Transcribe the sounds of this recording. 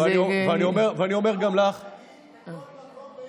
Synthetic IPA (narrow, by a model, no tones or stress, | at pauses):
eanioveaniomeʁveaniome̞ʁɡamlaχ